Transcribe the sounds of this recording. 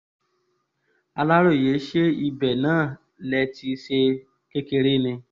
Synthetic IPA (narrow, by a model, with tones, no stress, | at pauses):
a˧la˦ɾo˦˨je˨˦ʃe˦i˧bɛ˨nãː˦˨ | lɛ˧ti˧ʃe˧ | ke˦ke˧ɾe˦nĩ˧